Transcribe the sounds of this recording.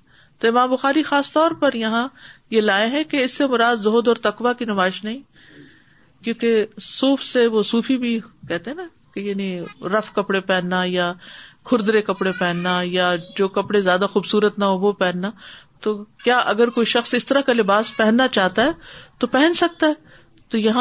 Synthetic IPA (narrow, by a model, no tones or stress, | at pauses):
t̪oɪmãːmbʊxaːɾixaːst̪ɔːɾpɐɾjɐɦãjelaːẽɦɛ̃keɪsːemʊɾaːd̪zoːd̪ɔːɾt̪ɐkʋakinɐmaːɪʃnɐɦĩ | kjõːkesuːfseʋosuːfibʱikɛɦt̪ẽɦɛna | kejaːnĩɾɐfkɐpɽepɛːnːajakʰʊɾd̪ɾekɐpɽepɛːnːajad͡ʒoːkɐpɽezjaːd̪axuːbsuːɾət̪naɦoʋopɛɦːnːat̪oːkjaːʔɐɡəɾkoːiʃɐxsɪst̪əɾakalɪbaːspɛɦɛ̃nːat͡ʃaːɦt̪aɦɛːt̪opɛɦɛ̃nsɐk̚t̪aɦɛː | t̪ojɐɦã